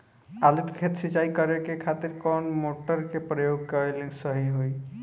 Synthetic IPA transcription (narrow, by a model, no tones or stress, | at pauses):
aluʈkʰet̪sit͡ʃaikəɾekekʰat̪iɾkɔnmoʈəɾkepɾəjoɡ̚kəlẽnsəɦiɦoj